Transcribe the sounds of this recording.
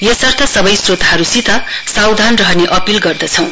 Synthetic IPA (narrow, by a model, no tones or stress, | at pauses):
jʌsʌrt̪ʰʌsʌbʌjsrot̪ɦʌɾusit̪ʰʌ | sawd̪ʱanrʌɦʌneʔʌpilɡʌrd̪ʌt͡sʰʌw̃